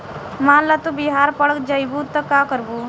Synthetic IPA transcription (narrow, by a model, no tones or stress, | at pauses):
mãːlɐt̪ubiɦaːɾpɐɽəkd͡ʒajbut̪ɐkaːkəɾbu